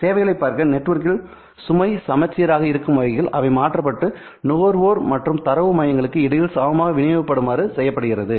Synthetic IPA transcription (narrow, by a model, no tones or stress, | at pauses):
seːʋɐɪɣɐɭɐɪpːaːɾkɐnɛʈːʋɐɾk̬ɪl | sʊmɐɪsɐmɐt͡ʃːɪjɐɾaːɣɐɪɾɯkːɯmʋɐɪɣɪlʔɐʋɐɪmaːʈrɐpːɐʈːɯ | noːɾʋoːɾmɐʈrɯmt̪ɐɾɐʋɯmɐjɐŋɡɐɭɯkːɯɪɽɐjɪlsaːʋɐmaːɣɐʋɪnɪʋɐpːɐɽɯmaːɾɯsɛjːɐpːɐɽɯɣɪrɐðɯ